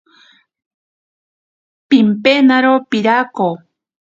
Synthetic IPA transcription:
pimpenaɾopiɾako

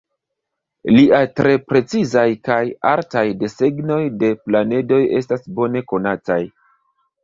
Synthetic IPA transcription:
liʔatɾe̞pɾe̞t͡sizajkaja̰ɾtajde̞se̞ɡno̞jde̞plane̞do̞je̞s̬tasbo̞ne̞ko̞nataj

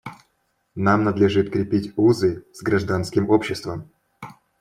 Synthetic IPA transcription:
namnɐd̪lʲɪʐɨt̪kɾʲɪpʲitʲuzɨzɡɾɐʐd̪anskʲɪmopɕːɪst̪vəm

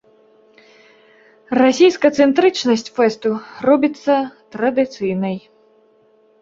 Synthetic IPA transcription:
rasʲijskɐt̪sɛnt̪ɾɨt͡ʂnɐsʲt͡sʲfɛst̪urɔbʲit̪sːɐt̪ɾɐd̪ɨt̪sɨjnɐj

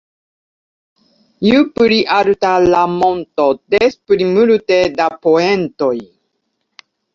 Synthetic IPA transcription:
jupɾiʔaɾutalamontodespɾimultedapoentoj

